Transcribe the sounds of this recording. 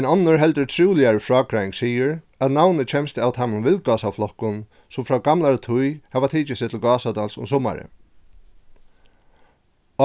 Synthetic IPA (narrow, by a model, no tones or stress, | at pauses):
ɛnɔnːʊɹɦɛlt̪əɹt̪ʰɾuːlɪaɹɪfɹɔːkɾajŋksiːɪɾ | at̪nawnɪt͡ʃʰɛmst̪ɪawt̪ʰamʊnʋɪlkaːsawflɔhkʊn | sʊmfɾaɡamlaɹət̪ʰʊjhɛvat̪ʰiːt͡ʃɪsɪt̪ʰɪlɡɑːsat̪alsʊ̰msɔːma̰ɾɪ̰